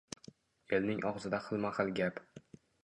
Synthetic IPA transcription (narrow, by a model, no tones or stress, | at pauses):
e̞lnɪŋʔɒʁzɪd̪aχɨlˠmaχɨlˠɡʲap